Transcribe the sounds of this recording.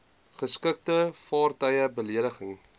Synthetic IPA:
χəskək̚təfɑːrtəjəbəliədəχəŋ

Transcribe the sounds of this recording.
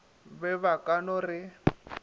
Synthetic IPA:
bɛβakʼanɔrɪ

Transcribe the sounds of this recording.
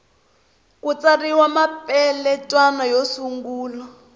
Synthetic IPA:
kut͡sariwamapʼɛlɛtʼwanajosuŋɡuːlɔ

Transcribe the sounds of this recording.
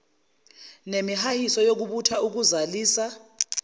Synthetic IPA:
nemiɦahisɔjok̬uɓutʰauk̬uzaliːsa

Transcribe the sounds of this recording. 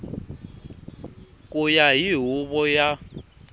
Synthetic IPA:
kʼujaɦiɦuβɔja

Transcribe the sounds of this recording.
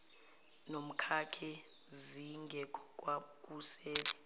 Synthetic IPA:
nom̩kʰakʰɛ | ziŋɡʱɛkʼwakʼusɛːlɛ

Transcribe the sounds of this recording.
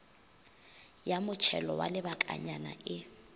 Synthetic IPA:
jamʊt͡ʃʰɛlɔwa̰lɪbakʼa̰ɲana̰ʔɪ

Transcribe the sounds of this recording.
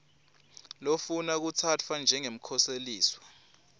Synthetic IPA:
lofunak̬utʰat͡fʰwand͡ʒʱɛŋem̩kʰɔseliːswa

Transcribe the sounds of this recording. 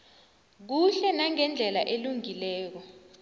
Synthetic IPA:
k̬uɬɛnaŋɛnd͡ɮʱɛlaʔeluŋilɛːk̬ɔ

